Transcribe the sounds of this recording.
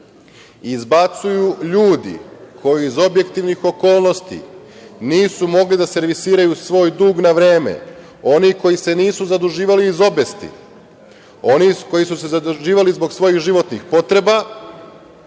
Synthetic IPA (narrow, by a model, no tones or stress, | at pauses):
izbat̪sujuʎuːd̪ḭkʰo̞jiizo̞bje̞kt̪iʋnixo̞ko̞ːlˠno̞st̪ḭ | niːsumo̞ɡlid̪ase̞ɾʋisiːɾajusʋo̞ːjd̪uːɡnaʋɾe̞ːmḛ | o̞niko̞jise̞niːsuzad̪uʒiːʋaliːzo̞best̪ḭ | o̞niko̞jisuse̞zad̪uʒiːʋalizbo̞ɡsʋo̞jixʒiʋo̞t̪nixpo̞t̪ɾe̞ba